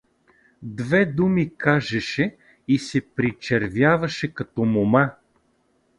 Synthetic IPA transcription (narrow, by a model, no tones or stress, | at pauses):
d̪vɛd̪umikaʒɛʃɛ | isɛpɾit͡ʃɛɾvʲjavɐʃɛkɐt̪ɔmoma